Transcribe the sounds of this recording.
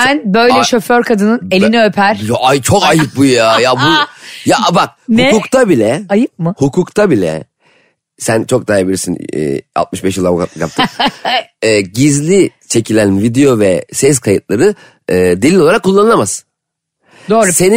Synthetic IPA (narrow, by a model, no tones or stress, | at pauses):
ænbø̞jlʲɛʃo̞føɾkʰad̪ɯnɯne̞linɛø̞pʰæɾ̥jaʔajt͡ʃʰokajɯp̚bujjajabujaʔbak̚nhukuːkt̪ʰabilʲɛajɯp̚mɯhukʰuːkt̪ʰabilʲɛ̰ | sænt͡ʃʰo̞k̚d̪aːajibilɾiɾsinɛ̰ːa̰t̪mɯʃbɛʃ̬jɯlˠabkaɯkja̰p̚t̪ʰɯm | ɛːɟizlʲit͡ʃʰe̞cʰilʲænvid̪ejo̞vɛsɛskʰajɯt̪lˠaɾɯ | ɯd̪elʲinʲolˠaɾakʰːulˠːanɯlˠamas | d̪oːɾse̞ni